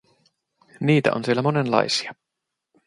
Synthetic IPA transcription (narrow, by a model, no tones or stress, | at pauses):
niːt̪æ̰ʔo̰nsielːæmo̞ne̞nlɑ̰jsi̥ɑ